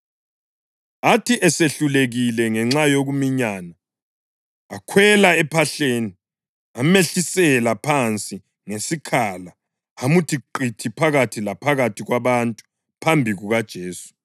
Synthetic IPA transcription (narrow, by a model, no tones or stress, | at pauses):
atʰiʔɛseɬuleɣilɛŋɛŋ͡ǁajoɣumiɲana | kʰwɛlaɛpʰaɬeːni | ameɬisɛlapʰant͡sʼi | ŋesikʰala | amutʰiǃitʰipʰaɣatʰilapʰaɣatʰiɣwaβantʼu̥ | pʰambʱiɣuɣad̥ʒ̥ʱeːsu̥